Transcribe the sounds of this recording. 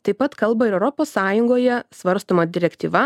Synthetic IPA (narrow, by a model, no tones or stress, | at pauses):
t̪ɐɪpɐt̪kɐlˠbɐɪɾɛʊɾɔpoːssɑːjʊŋɡoːjɛsʋɐɾst̪oːmɐd̪ʲɪɾʲɛkt̪ʲḭːʋɐ